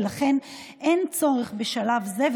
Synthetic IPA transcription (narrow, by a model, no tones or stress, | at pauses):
laχe̞n | ʔe̞nt͡so̞ʁeχbeʃalavzev